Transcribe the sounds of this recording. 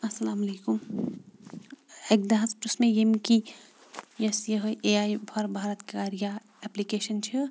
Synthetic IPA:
ɐsɐlaːmɐlekum | ek̚d̪aɦɐspɾusmejemki | jɐsjəɦəʔeaːjbʱɐɾbʱaːɾət̪kkaɾija | ɛplikeʃənt͡ʃʰi

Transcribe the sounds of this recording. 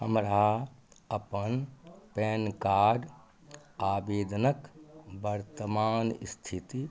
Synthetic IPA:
həmɾa | əpənpeːnkaːɖ | aːbeːd̪nəkbəɾt̪əmaːnst̪ʰit̪i

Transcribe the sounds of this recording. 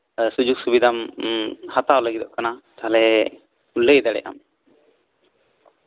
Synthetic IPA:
sud͡ʒuɡsubid̪ʱam | hat̪awləɡid̪ɔʔkanat̪aɦlɛ | uləjd̪aɽɛ̰ʔa̰m

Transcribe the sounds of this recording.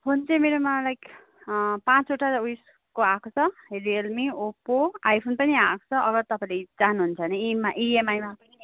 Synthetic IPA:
pʰont͡sʌmeɾomalajk | pãt͡soʈaujs | koakʰot͡sʰʌɦelielmiopoajpʰonpʌniãkʰt͡sʰʌʔʌɡʌrt̪ʌpãĩled͡zanuɦunt͡sʰʌneimaʔiemajmapʌni

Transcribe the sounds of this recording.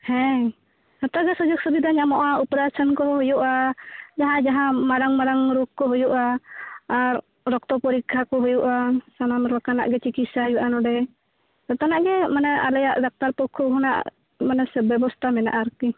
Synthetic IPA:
hɛ | at̪aɡasɔd͡ʒɔk̚səbid̪aɲaʔmɔʔaupɛɾasɔnkɔɦɔjuʔad͡ʒaɦad͡ʒaɦamaɾaŋmaɾaŋɾukːɔɦɔjuʔaa | ɾɔk̚t̪ɔpɔɾikʰakɔɦɔjuʔasananɾɔkana̰ʔɡɛt͡ʃikisajuʔanɔdɛ | at̪anaʔɡɛmanaa̰lajaʔdak̚t̪arpɔkʰɔɦuna̰ʔ | manasɛbɛbɔst̪amɛna̰ʔaɾki

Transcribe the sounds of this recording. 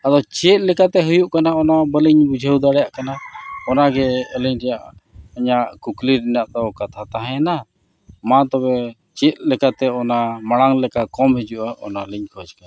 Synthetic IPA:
ad̪ɔt͡ʃɛt̪̚lɛkat̪ɛɦujuʔkanaɔnabəliɲbud͡ʒʱəwd̪aɽɛjaʔkanaɔnaɡɛəliɲɾɛjaʔəɲaʔkukliɾɛnaʔt̪ɔkat̪ʰat̪aɦɛ̃na | mãt̪ɔbɛ | t͡ʃɛt̪̚lɛkat̪ɛɔnamaɽ̃aŋlɛkakɔmhɛd͡ʒuʔaʔɔ̰naliɲkʰɔd͡ʒkan

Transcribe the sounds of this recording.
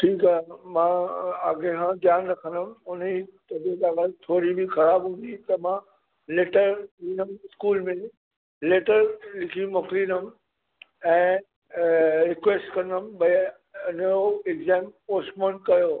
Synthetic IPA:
ʈʰiːkaɦmãaɡẽkʰãːd̪jaːnɾɐkʰə̃nd̪əmʊnt̪ɐd͡ʑeɗ̪aːɡat̪ʰoːɾibʱixɐɾaːbɦũːn̆d̪it̪ɐmã | leːʈəɾɦĩːnəmɪskuːlmẽ | leːʈəɾlɪkʰimokɾiːnəm | ɛ̃ː | ɾɪkʋeːsʈkɐ̃nəmɓɐ | ʊnɾoɪɡzɛ̃ːmoːsmənkɐjoː

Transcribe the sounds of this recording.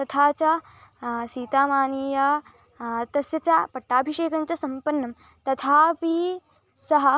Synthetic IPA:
t̪ɐt̪ʰaːt͡ʃɐ | siːt̪aːmaːniːja | t̪ɐsjɐt͡ʃapɐʈːaːbʱiʂeːkɐnt͡ʃɐsɐmpɐnːɐm | t̪ɐt̪ʰaːpi | sɐɦɐ̆

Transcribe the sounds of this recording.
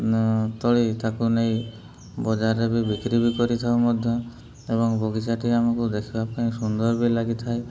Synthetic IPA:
t̪ɔɭit̪akunej | bɔd͡ʒaɾebibikɾibikɔɾit̪ʰaomɔd̪ʱjɔ | ebɔŋbʱɔɡit͡ʃaʈiamakud̪ekʰibapkaĩsund̪ɔɾbilaɡit̪ʰae

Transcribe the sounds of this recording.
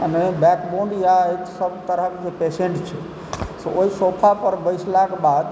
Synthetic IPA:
nəbɛkboɳɖjaeksəbt̪əɾəɦkepeseɳʈt͡ʃʰɛ | t̪ooisopʰapəɾbəjt͡ʃlakebad̪

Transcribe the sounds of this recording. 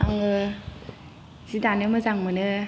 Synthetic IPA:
aŋɯ | z̥idanɯmɐzaŋmɯnɯ

